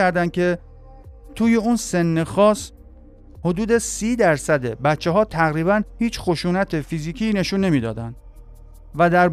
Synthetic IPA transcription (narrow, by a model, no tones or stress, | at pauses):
æɾd̪ænd̪̚cʰe̞ | t̪ʰuːje̞uːnse̞nːexɒːs | ho̞d̪uːd̪e̞siːd̪æɾsæd̪e̞̰bæt̪t͡ʃːeɦɒːt̪ʰæɣɾiːβænhiːt͡ʃxo̞ʃuːnæt̪ʰefiziːkʰiːne̞ʃuːnːe̞miːd̪ɒ̰ːd̪ænd̪̥ | væd̪æɾ